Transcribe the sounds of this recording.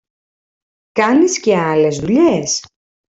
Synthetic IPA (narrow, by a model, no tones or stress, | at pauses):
kɐnisce̞ɐle̞zðuʎe̞s